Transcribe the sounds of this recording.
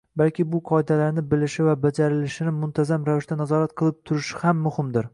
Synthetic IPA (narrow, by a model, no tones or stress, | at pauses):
balkʲɪbʊqʰɒɪd̪alaɾnɪbɪlɪʃɪvabad͡ʒaɾɪlɪʃɪnɪmʊnt̪ʰazamɾavɪʃt̪anazɒɾat̪̚qʰɨlˠɪp̚t̪ʰʊɾɪʃɪhamːʊhɪmd̪ɪɾ